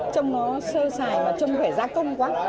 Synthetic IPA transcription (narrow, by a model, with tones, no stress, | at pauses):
t͡ɕwŋ͡mnɔ˨˦səː˧saː˨˩jmaː˨˩t͡ɕə˧wŋ͡mt̪ʰe˧˩zaː˨˦kə˧wŋ͡mkwaː˨˦